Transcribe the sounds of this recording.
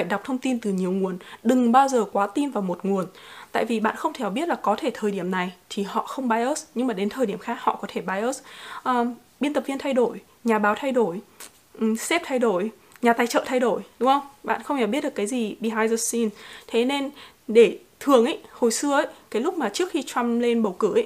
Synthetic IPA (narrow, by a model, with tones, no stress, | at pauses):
faː˧˩jɗa˨˩wk͡p̚t̪ʰə˧wŋ͡mt̪i˧nt̪ɨ˨˩ɲi˨˩əwŋu˨˩ənɗɨ˨˩ŋɓaː˧wzəː˨˩kwaː˨˦t̪i˧nvaː˨˩wmo˨˩t̚ŋu˨˩ən | t̪a̰ː˧˨jvi˨˩ɓa̰ː˧˨nxə˧wŋ͡mt̪ʰe˧˩˨ɓi˦˥t̚laː˨˩kɔ˨˦t̪ʰe˧˩t̪ʰəː˨˩jɗi˧˩əmna˨˩jt̪ʰi˨˩hɔ̰˧˨xə˧wŋ͡mɓaː˧jʔəː˦˥sɲɨ˧ŋmaː˨˩ɗe˨˦nt̪ʰəː˨˩ɗi˧˩əmxaː˦˥k̚hɔ̰˧˨kɔ˨˦t̪ʰe˧˩ɓaː˧jʔə˦˥sʔəː˨˩ | ɓi˧nt̪ə˨˩vi˧ənt̪ʰa˧jɗo˧˩j | ɲaː˨˩ɓaː˨˦wt̪ʰa˧jɗo˧˩j | ʔsɛ˦˥p̚t̪ʰa˧jɗo˧˩j | ɲaː˨˩t̪aː˧˩jt͡ɕə̰ː˧˨t̪ʰa˧jɗo˧˩jɗʊ˨˦ŋ͡mhə˧wŋ͡mɓa̰ː˧˨nxə˧wŋ͡mhʰɛ˧˩ɓi˦˥t̚ɗkːaː˨˦jzi˨˩ɓi˧ɦaː˧jzə˧si˧nt̪ʰe˨˦ne˧n | ɗe˧˩ | t̪ʰɨ˨˩əŋʔə̰˧˦jho˨˩jsɨ˧əʔə˨˦jkaː˨˦jlʊ˦˥k͡p̚maː˨˩t͡ɕɨ˦˥ək̚xi˧t͡ɕwa˧mle˧nɓə˨˩wkɨ˧˩ʔə˨˦